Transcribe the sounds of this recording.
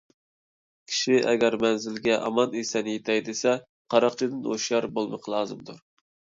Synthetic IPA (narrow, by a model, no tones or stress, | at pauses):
kʲʰi̥ʃiʔɛ̰ɡʲɛɾmɛnzɪlɡʲɛʔɑmɑnesɛnjet̪ʰɛjd̪ɪsɛ | qʰɑɾɑqt͡ʃʰɪd̪ɨno̰ʃjɑɾbolˠmɨqʰlˠɑːzɨmd̪uɾ